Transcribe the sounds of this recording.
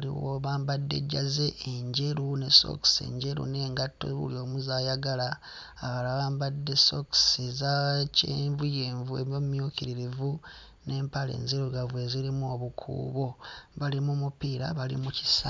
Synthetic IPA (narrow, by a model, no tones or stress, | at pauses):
liwoβaːmbadːe̞̰ɟːaze̞ʔːɲɟe̞ɾuneso̰ksḛɲɟe̞ɾṵne̞ːŋɡatːo̰βṵlio̞ːmuzaːjaɡalaː | βalaβaːmbadːe̞so̞ksezaceːɱvujeːɱvuemomumjukiɾiɾivu | ne̞ːmpale̞̰ːnziɾuɡavweziɾimuoβukʰṵːβo̞βalimumupiɾaβalḭmuci̥sa